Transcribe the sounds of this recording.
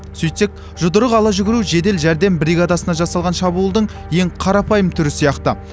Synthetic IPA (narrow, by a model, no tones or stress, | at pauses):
sɵjt̪sek̚ | ʒʊd̪əɾəqɑlˠɑʒʏɡʲɪɾuʒe̞d̪e̞lʒæɾd̪e̞mbɾiɡad̪ɑsənɑʒɑsɑlˠʁɑnʃɑbuːlˠd̪əɴ | je̞ŋqʰɑɾɑpʰɑjəmt̪ʰʏɾɪsijɑqt̪ə